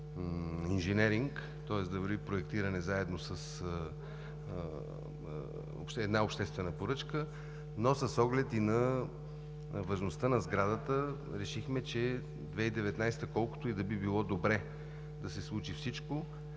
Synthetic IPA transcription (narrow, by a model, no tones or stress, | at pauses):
inʒɛnɛɾiŋk | t̪ɔɛsd̪ɐvəɾvipɾoɛk̚t̪iɾɐnɛzaɛd̪nosəs | o̰pʃt̪ɛd̪naopʃt̪ɛst̪vɛnəpoɾɤt͡ʃkə | nosɐsɔɡlɛt̪inɐ | vɐʒnost̪ənɐzɡɾad̪ət̪ə | ɾɛʃixmɛt͡ʃɛ | d̪vɛid̪ɛvɛt̪najst̪əkɔlˠkʊ̥t̪oid̪ɐbibilˠɔd̪obɾɛ | d̪ɐsɛslˠut͡ʃifsit͡ʃko